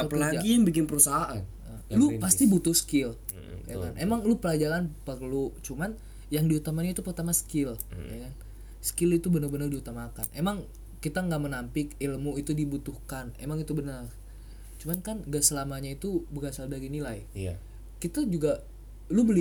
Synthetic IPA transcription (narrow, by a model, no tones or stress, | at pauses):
apəlaad͡ʒaɡijaŋbikɪnpəɾusaɦaʔanʔə | lupast̪ibut̪ʊhsə̥kɪl | jaka̰nʔemaŋlupəlad͡ʒaɾanpərlut͡ʃuman | jaŋdiut̪amaɲait̪upərt̪amasə̥kɪla̰kan | sə̥kɪlit̪ubənarbənardihut̪amakanʔemaŋ | kit̪aŋɡaʔmənampɪkilmuit̪udibut̪uhkanḛmaŋit̪ubənər | t͡ʃumankanŋɡaʔsəlamaɲait̪ubərasaldaɾinilaj | kit̪ad͡ʒuɡa | lubəli